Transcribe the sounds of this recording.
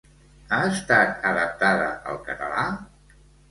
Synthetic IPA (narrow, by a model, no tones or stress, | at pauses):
aəst̪at̪əðəp̚t̪aðə̰ə̰lˠkət̪əla